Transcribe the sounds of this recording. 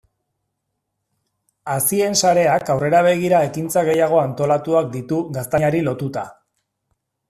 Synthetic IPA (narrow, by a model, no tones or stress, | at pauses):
asie̞nsaɾe̞akawre̞ɾaβ̞e̞ɣ̞iɾae̞kint͡saɣ̞e̞jaɣ̞o̞ant̪o̞lat̪uakd̪it̪uɣast̪aɲaɾilo̞t̪ut̪a